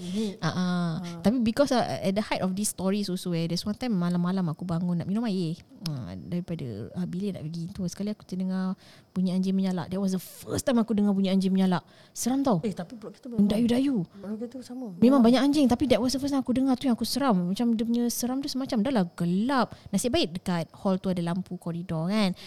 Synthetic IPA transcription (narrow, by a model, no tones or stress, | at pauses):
aʔat̪apibikɔsɛt̚dəhatɔfdisːt̪ɔɹisosowɛdɛswant̪ajmːalamːalamakubaŋʊnːa̰ʔinɔmaje | ə̰daɾipada̰əbilena̰ʔpəɡiːnt̪uəsəkaliakut̪ədəŋa | puɲəaɲd͡ʒɪŋməɲala̰ʔdɛt̚wɔs̬dəfəst̪ajmakudəŋap̬uɲəaɲd͡ʒɪŋməɲalaʔ | səɾamt̪awet̪apibɔʔki̥t̪əədajudajut̪əɾsamamẽmaŋbaɲakaɲd͡ʒɪŋt̪apidɛʔ̚wɔsdəfəst̪ãakudəŋat̪ujaŋakusəɾamːat͡ʃamdəp̬uɲəsəɾamt̪usəmat͡ʃamdalahɡəlap̚nasɪʔbaɪk̚dəkat̪̚hɔlt̪uadalampukɔɾidɔkan